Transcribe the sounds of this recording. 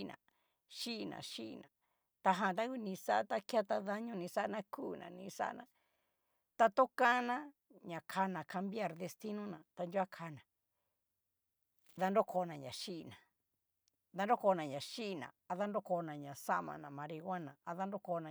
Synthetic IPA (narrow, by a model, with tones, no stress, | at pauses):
nã̰˨ | ʃi˦ʔnã̰˨ʃi˦˧nã˨ | t̪a˧ɦã˧˨t̪̬a˦ku˦nĩ˧sa˦ʔt̪a˦ka˦t̪a˧ða˧ɲũ˦˧nĩ˧sa˦nã˧kuː˦˨nã̰˨nĩ˧sa̰˧nã˧ | t̪a˧t̪o˦kã˦nã˦ | ɲã˨kʰa˧nã˨kʰa˧mbi˦a˧˨ɾðe˧st̪i˦nũ˦nã˨t̪a˧ndu˦a˦kʰa˧nã˨ | ða˧ndo˦ko˧˨˧nã˨ɲã˨ʃi˦ʔnã˨ | ða˧ndo˦ko˧˨˧nã˨ɲã˨ʃi˦˧nã̰˨a˧ða˦ndo˦ko˧˨˧nã˨ɲã˨sa˦ʔmã̰˧nã˨mã˧ɾi˧ɣʷa˦nã˨a˧ða˦ndo˦ko˧˨nã˨